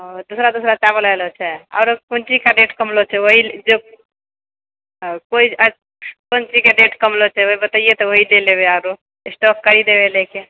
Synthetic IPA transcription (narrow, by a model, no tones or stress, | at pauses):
d̪usɾad̪usɾat͡ʃabələjlt͡ʃʰɛa̰ʊɾokunt͡ʃikaɖeʈkəmlot͡ʃʰɛoɦid͡ʒo | koi | kont͡ʃikeɖeʈkəmlot͡ʃʰɛoɦibət̪əijet̪ɔoɦileleβeaʊɾo | esʈɔkːəɾid̪ebʱeleke